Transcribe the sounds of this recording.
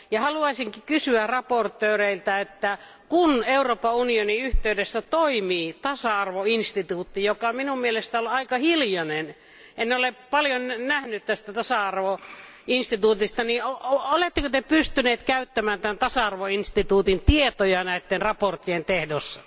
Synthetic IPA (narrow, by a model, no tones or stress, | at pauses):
jɑhɑluɑisiŋkikysyærɑport̪ːˑøːreilt̪æet̪ːæ | kuneuroːpɑunioniyht̪eydesːæt̪oimiːt̪ɑsɑɑrʋoinst̪it̪uːt̪ːijokɑminummielest̪æolɑikɑhiljɑnen | enneolepɑljonnæhnyt̪t̪æst̪æt̪ɑsɑɑrʋo | inst̪it̪uːt̪ist̪ɑnioolet̪ːekøt̪epyst̪yneːt̪kæyt̪ːæmæːnt̪ænt̪ɑsɑɑrʋoinst̪it̪uːt̪int̪iet̪ojɑnæit̪ːenrɑport̪ːient̪ehdosːɑ̥